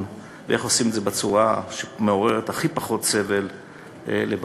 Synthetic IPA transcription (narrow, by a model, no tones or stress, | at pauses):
veʔeχo̞simedzebat͡suʁaʃemeo̞ʁe̞ʁetaχipaχo̞tse̞vel | ḛleb